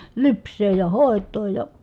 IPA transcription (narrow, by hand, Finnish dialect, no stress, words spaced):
lypsˑeːj jɑ hoˑetˑoːj jɑ